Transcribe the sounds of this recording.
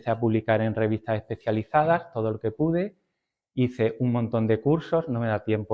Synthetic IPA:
θeapuβlikaɾe̞nre̞β̞ist̪ase̞spe̞θjaliθað̞ast̪o̞ð̞o̞loke̞puð̞e̞ | iθe̞ʔuŋmont̪o̞nd̪e̞kuɾso̞znome̞ðat̪je̞mpo

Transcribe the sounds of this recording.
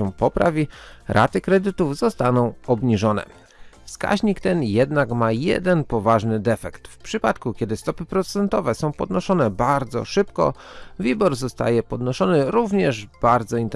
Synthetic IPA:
ɛ̃pɔpɾa̰vʲiɾʔa̰t̪ɘkɾɛd̪ɘt̪uvzɔst̪anɔ̃w̃ɔbɲiʐɔnɛ̰ | fska̰ʑɲikt̪ɛnjɛd̪nakmajɛ̰d̪ɛnpɔvaʐnɘd̪ɛfɛkt̪fpʂɘpat̪kukʲɛd̪ɘst̪ɔpɘpɾɔt̪sɛnt̪ɔvɛsɔ̃w̃pɔd̪nɔʂɔnɛbaɾd̪zɔ̰ʂɘpkɔ̰vʲibɔɾzɔst̪a̰jɛpɔd̪nɔʂɔnɘɾuvɲɛʐb̥aɾd̪zɔint̪

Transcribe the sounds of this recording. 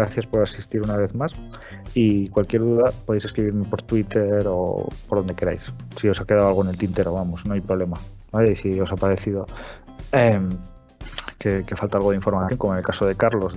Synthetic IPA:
ɾaθjaspo̞ɾasist̪iɾunaβe̞θmas | ikwalkje̞ɾðuðapoðejse̞skɾiβ̞iɾme̞po̞ɾt̪wit̪eɾo̞̰poɾðond̪e̞keɾa̰jssio̞sake̞ð̞aoalɣ̞oene̞lt̪int̪eɾoβamo̞sno̞ajpɾoβle̞ma | baleisio̞sapaɾe̞θið̞o̞ | em | ke̞ke̞falt̪aalɣo̞ð̞eiɱfo̞ɾmaθjoŋkomoenelkaso̞ð̞e̞kaɾlo̞z

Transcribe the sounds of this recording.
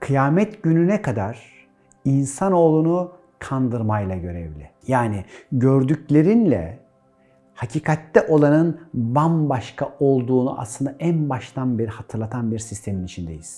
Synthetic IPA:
kʰɯjaːmɛt̪ɟynynɛkʰad̪aɾ̥ | insano̞ːlˠunu | kʰand̪ɯɾmajlˠaɟø̞ɾɛvlʲɪ | jaːnɪɟøɾd̪yclʲe̞ɾinlʲɛ̰ | hacʰiːkʰat̪lɛʔo̞lˠanɯnbanbaʃkʰaʔo̞lˠd̪uːnuʔa̰slˠɯnd̪aʔænbaʃt̪ʰanbiɾhat̪ʰɯɾlˠat̪ʰanbiɾsist̪ʰe̞minit͡ʃʰind̪e̞̰jiz̥

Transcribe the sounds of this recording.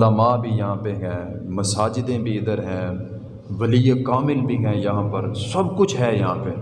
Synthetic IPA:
laːmaːbʱijɐɦãːpeɦɛ̃ː | mɐsaːd͡ʒɪd̪ẽbʱiɪd̪əɾɦɛ̃ː | ʋɐliːekaːmɪlbʱiɦɛ̃ːjɐɦãːpɐɾsɐbkʊt͡ʃʰɦɛːjɐɦãːpe

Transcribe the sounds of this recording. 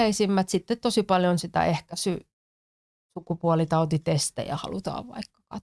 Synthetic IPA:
eisimːæt̪sit̪ːet̪t̪osipɑljonsit̪æ̰ʔehkæsy | sukupuɑlit̪ɑut̪it̪est̪æ̰jɑ̰hɑ̰lut̪ɑ̰ːʋʋɑ̰ikːɑ̥kɑt̪

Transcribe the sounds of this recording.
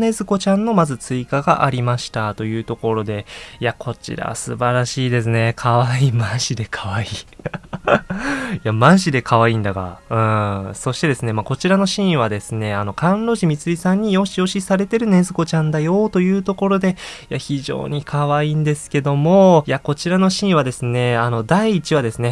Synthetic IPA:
ne̞zɨko̞t͡ɕãnːo̞mazɨt͡sɨikaɡaʔaɾʲimaɕi̥t̪at̪o̞jɯ̟ːt̪o̞ko̞ɾo̞d̪e̞jakʰo̞t͡ɕḭɾa̰βa̰sɨ̰baɾaɕiːd̪e̞sɨne̞kʰaβaiːmãɰ̃ɕid̪e̞kʰaβaiː | jamãɰ̃ɕid̪e̞kʰaβaĩːnd̪aɡa̰ɯ̟̃so̞ɕi̥t̪e̞d̪e̞sɨne̞mako̞t͡ɕiɾano̞ɕĩɰ̃βad̪e̞sɨne̞ano̞kãnɾo̞ʑimʲit͡sɨɾʲisãɲ̟ːijõ̞ɕio̞ɕisaɾe̞t̪e̞ɾɯ̟ne̞zɨɡo̞t͡ɕãnd̪ajo̞ːt̪o̞jɯ̟ːt̪o̞ko̞ɾo̞d̪e̞jaçiʑo̞̰ːɲ̟ikʰaβaĩːnd̪e̞sɨ̥ke̞d̪o̞mo̞jako̞t͡ɕiɾano̞ɕĩɰ̃βad̪e̞sɨne̞ano̞d̪aiːt͡ɕiβad̪e̞sɨne̞

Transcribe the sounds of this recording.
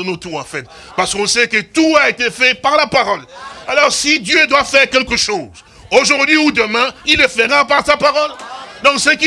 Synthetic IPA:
not̪uɑ̃fɛt̪ | paʁsə̥kɔ̃sɛkət̪uaet̪efɛpaʁlapaʁɔlalɔʁsid̪jød̪wafɛʁkʲɛlkəʃoːz | oʒuʁd̪ɥiud̪əmɛ̃ilɛfɛʁãpaʁsapaʁɔld̪ɔ̃sɛki

